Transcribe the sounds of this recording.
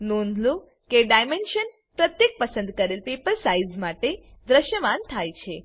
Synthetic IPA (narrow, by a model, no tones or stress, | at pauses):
nõnd̪ʱlu | keɖajmenʃən | pɾət̪jek̚pəsənd̪kəɾelpepəlsaizmaʈe | d̪ɾəʃjəʋant̪ʰajt͡ʃʰe